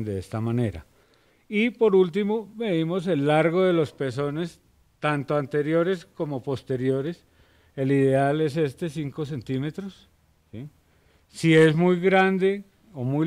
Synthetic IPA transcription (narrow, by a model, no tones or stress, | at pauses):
nd̪eest̪amane̞ɾa̰ | ipo̞ɾult̪̬imomeðimo̞s̬e̞lːaɾɣo̞ðe̞lo̞spe̞s̬o̞ne̞s | t̪ant̪oant̪e̞ɾjo̞ɾe̞sko̞mo̞po̞st̪e̞ɾjo̞ɾe̞s | e̞liðe̞ale̞s̬e̞st̪e̞siŋko̞s̬e̞nt̪ime̞t̪ɾos | si | sie̞zmujɣɾand̪e̞ | omuj